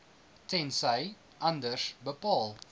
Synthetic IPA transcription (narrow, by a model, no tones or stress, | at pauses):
tɛnsəj | ʔɐndərsbəpɑːlˠ